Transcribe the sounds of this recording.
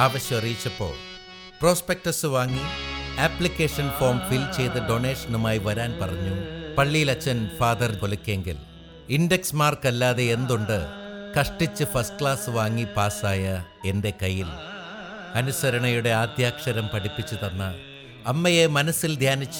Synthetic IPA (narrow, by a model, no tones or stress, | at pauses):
aːʋɐɕjɐmɐrijit͡ɕːɐpːo̞̰ːɭ | pro̞ːspek̚ʈɐsɨʋaːŋːiaːplikʲːe̞ːʂɐnfo̞ːrmfilt͡ɕe̞jt̪ɨɖo̞ːne̞ːʂɐnumaːjiʋɐɾaːnpɐrɐɲːupɐɭːijilɐt͡ɕːɐnfaːd̪ɐrkolukʲːeŋɡil | indeksmaːrkɐlːaːðe̞end̪uɳɖɨkɐʂʈit͡ɕːɨfɐsʈɨkɭaːsɨʋaːŋːipaːsaːjɐ | e̞nde̞kɐjːil | ɐnusɐɾɐɳɐjuɽe̞aːd̪ʱjaːkʂɐɾɐmpɐɽipːit͡ɕːut̪ɐnːɐ | ɐmːɐjemɐnɐsild̪ʱjaːnit͡ɕː